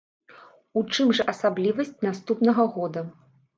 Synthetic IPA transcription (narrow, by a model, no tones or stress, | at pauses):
ut͡ʂɨmʐɐʔɐsablʲivɐsʲt͡sʲnast̪upnɐɣɐɣɔd̪ɐ